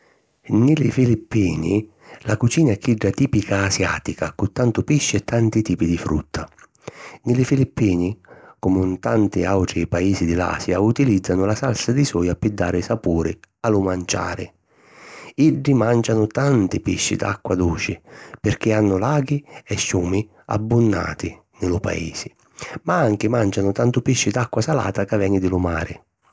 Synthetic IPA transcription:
nɪlɪfilipːiːnɪ | lakut͡ʃiːnaɛkʰːiɖːat̪iːpikaːsja̰ːt̪ikakʊt̪ːant̪ʊpiʃːɪɛt̪ʰːant̪it̪iːpid̪ifɾṵt̪ʰːa | nɪlɪfilipːiːnɪkɔmʊnt̪ant̪ɪawʈɾɪpaiːsɪd̪ɪla̰ːsjaut̪ilid̪zːanʊlasalsad̪isɔːjapɪd̪ːaːɾɪsapuːɾɪalʊmant͡ʃa̰ːɾɪ̰ | iɖːimand͡ʒanʊt̪ant̪ɪpiʃːɪ̰d̪a̰kːwad̪uːt͡ʃɪpɪrk̟ɪanːʊlaːɡiɛʃːuːmɪ | a̰bːʊnːa̰ːt̪ɪ | nɪlʊpa̰ḭːsɪ | maaŋkɪmand͡ʒanʊt̪ant̪ʊpiʃːɪd̪akːwasala̰ːt̪akavːɛnɪd̪ɪlʊma̰ːɾɪ

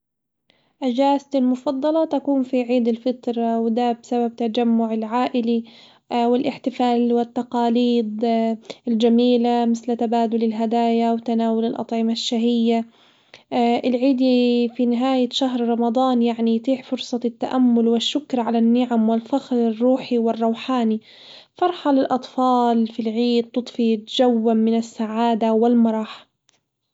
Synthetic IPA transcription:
ʔad͡ʒaːst̪ɪlmʊfɑd̪ˤːɑlɑt̪akuːmfiʕiːd̪ɪlfɪt̪ɾˤɑwd̪abɪsabab̚t̪ad͡ʒamːʊʕɪlʕaːʔɪli | wɪlʔɪħt̪ɪfaːlwɪt̪ːɑqɑːliːd̪ˤ | ɪld͡ʒamiːlamɪθlt̪abaːd̪ʊlɪlɦad̪aːjawt̪anaːwʊlɪlʔɑ̰t̪ˤʕɪmaʃːaɦɪjːa | ʔɪlʕiːd̪ifinɪɦaːjaʃaɦɾɾˤɑmɑd̪ˤɑːnjaʕnijt̪ˤiːħfʊɾsˤɑt̪ːaʔamːʊlwɪʃːʊkɾʕalanːɪʕamwɪlfaxɾɪrˤːuːħiwɪrˤːɑwħaːni | fɑɾˤħɑlɪlʔɑt̪ˤfɑːlfilʕiːd̪̚t̪ːʊt̪ˤfit̪d͡ʒawːamɪnasːaʕaːd̪awɪlmɑɾˤɑːħḁ

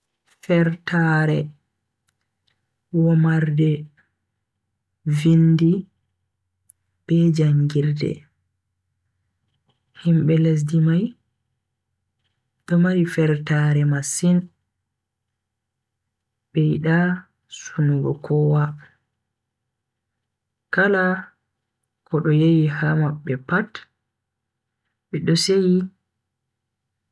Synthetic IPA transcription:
fɛɾtaɾɛ | wɔmaɾdɛ | vindi | b̥ɛd͡ʒaŋɡiɾdɛ̰ | himɓɛles̬dimaj | ɗɔmaɾifɛɾtaɾɛmasin | ɓɛjiɗa | sunuɡɔ̰kʰɔwa | kala | kʰɔɗɔjejihamaɓːɛpat | bɛɗɔseji

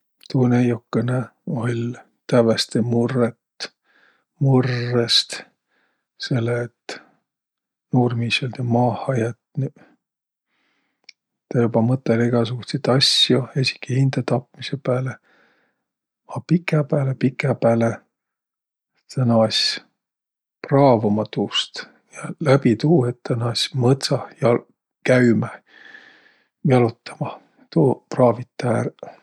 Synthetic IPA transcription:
t̪uːnejokːeneolʲ | t̪ævest̪emurːet̪ | murːest̪ | se̞lːet̪ | nuːrmiːsolʲt̪emɑːhɑjɑt̪n | t̪ejubɑmɤt̪ːˑeliɡ̥ɑsuɡ̥ust̪et̪ɑsjuesʲi̥kːihind̪̥ɑt̪ɑpmisepæːle | ɑpikːˑepæːlepikːˑepæːle | t̪ænɑɑsʲ | prɑːvumɑt̪ust̪ | jɑlæbit̪uːet̪t̪ːænɑsʲmɤt̪sɑjɑ | kæymæ | jɑlut̪ːˑɑ̥mɑ | t̪uprɑːvit̪ːˑæɾ

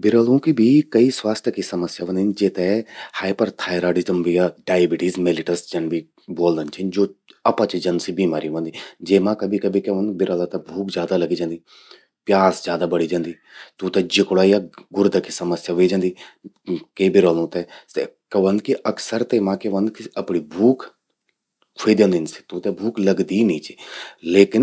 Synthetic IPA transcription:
bɪɾəlũkibʱikɐiswaːst̪ʰəkisɐməsjaʋə̃nd̪ind͡ʒeːt̪ɛhaːɪpəɾt̪ʰaːjɾaːɽɪzəmbʱijaɖaːjbɪʈizmelɪʈəsd͡ʒɐnbʱi | boːld̪ənt͡ʃʰind͡ʒoːɐpat͡ʃid͡ʒɐnsibiːmaːɾiʋɐ̃nd̪id͡ʒeːmãkɐbʱikɐbʱikeʋɐ̃nd̪bɪɾəːlat̪ɐbʱuːkd͡ʒjaːd̪alɐɡid͡ʒãːnd̪i | pjaːsd͡ʒjaːd̪aːbəɽiːd͡ʒãːnd̪iːt̪ũːt̪ɛ̃ːd͡ʒɪkɽaːijaːɡʊɾd̪akisəməsjaːʋeːd͡ʒãːnd̪iː | keːbɪɾoːlũːt̪ɛːsḛkəʋə̃nd̪kiʔəksəɾt̪eːmãːkeʋə̃nd̪kɪəpɳiːbʱuːk | kʰeːd̪jə̃ːnd̪insi̥t̪ũːt̪ɛbʱuːkləɡd̪iːnĩːt͡ʃileːkɪn

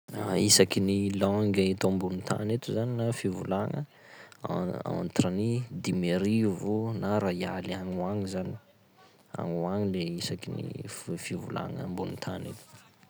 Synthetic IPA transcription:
aisakinilɔŋɡaet̪ombunit̪ʰa̰net̪uzaninafivulaŋə̰ | a̰a̰nt̪ranid̪imeɾivunaɾajalaŋuaŋizani̥ | a̰ŋuaɲileisakinḭfivula̰ŋə̰mbunit̪ʰa̰net̪u̥

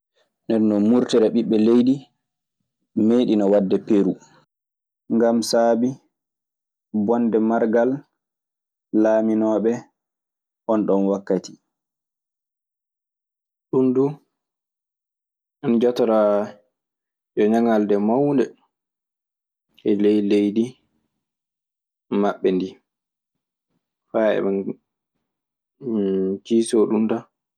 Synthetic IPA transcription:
ndɛɾnɔmuɾtɛɾɛɓiɓːɛlejdi | meɗinɔwadːɛpeɾu | ŋɡamsaːbi | bɔndɛmaɾɡal | aːminɔːɓɛ | ʔɔnɗɔnwakːati̥ | ɗundu | ʔɔnd͡ʒɔtɔɾa | jɔɲaŋaldɛmawndɛ | ʔɛlɛjlejdi | maɓːɛndi | faɛ̰ɓan | t͡ʃiːsɔɗunta

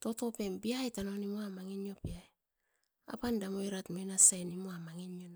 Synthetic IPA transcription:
to̞to̞pe̞mbiajtano̞nimoamaŋinjo̞piaj | a̰pandamo̞jɾatmojnasajnimoamaŋinjon

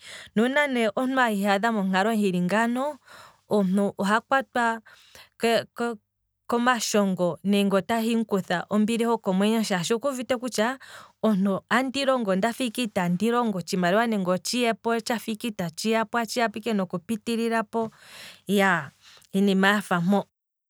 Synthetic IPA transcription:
nunanɛʔɔn̥uahihaðamɔŋ̥aɾɔŋhiɾiŋɡanɔ | ɔn̥uʔɔɦakwatwa | kk | kɔmaʃɔŋɡɔnɛŋɡɔtahiŋ̩kuθaʔɔmbiɾihɔkɔmwɛɲɔʃaʃɔkuvitɛkut͡ʃaɔn̥uandiɾɔŋɡɔndafikitandiɾɔŋɡɔt͡ʃimaɾɛwanɛŋɡɔt͡ʃiɛpɔt͡ʃafikitat͡ʃijapɔat͡ʃiapikɛnɔkupitiɾiɾapɔja | inimaafamɔ

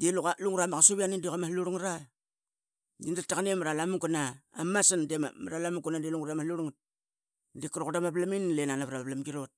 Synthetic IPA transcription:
delukaluŋɾamakasoβianidikamaluɾuŋɾa | dindatakanemaɾalamuŋɡunaamasandem̰maɾalamuɡunadeluŋɾamahluɾuŋ̚ | dikɾokdamaplaminlenanaβɾaβaplamɡiɾot̚

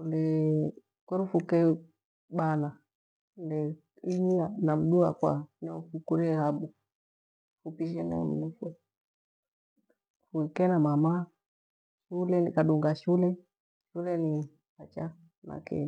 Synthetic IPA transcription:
undɛ | kɛɾufukɛ | ɓana | ndɛ | iɲianam̩ɗuakwa̰nɛfukuɾɛhaɓu | fupiʃɛnɛ̰m̩nufɛ | fuikɛnamama | ʃulɛnikaɗuŋɡaʃulɛ | ʃulɛni | hat͡ʃa | na̰kɛ̰

